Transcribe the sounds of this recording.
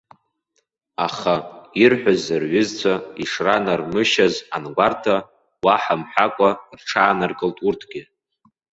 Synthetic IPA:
aχairħʷᶣazɨrɥɪzt͡sʷʰaiʂranarmɨʃaza̰nɡʷartʰa | waħamħʷᶣakʷʼarʈ͡ʂʰaːnarkʼɨltʼurtʰɡ̥ʲɪ

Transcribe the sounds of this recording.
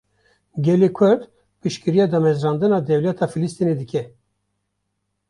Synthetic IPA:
ɡʲɛlekʰʊɾd̪ | pɨʃkɨɾijɑːd̪ɑmɛzɾɑːnd̪ɨnɑːd̪ɛwlɛt̪ʰɑːfilɨst̪ined̪ɨkʰʲɛ

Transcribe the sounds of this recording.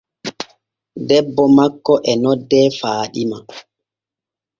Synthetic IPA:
dɛbːɔmakːɔʔɛnɔdːɛfaːɗima

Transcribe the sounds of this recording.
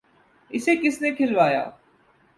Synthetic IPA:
ɪsekɪsnekʰɪlʋaːja̰ː

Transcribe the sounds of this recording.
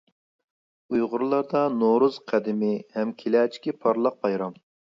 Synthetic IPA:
ujʁʊɾlˠɑɾd̪ɑnoɾuz̥qʰæd̪ɪmɪhɛmkʲʰelɛːt͡ʃʰi̥kʲipʰɑɾlˠɑq̚bɑjɾɑm

